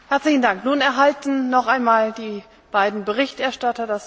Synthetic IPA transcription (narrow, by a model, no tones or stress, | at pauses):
hɛɐt͡slɪçn̩daŋknuːnɛɐɦaltn̩ːɔχʔaɪnmaːldiː | b̥aɪdn̩bəʁ̞ɪçtʔɛɐʃtatɐdas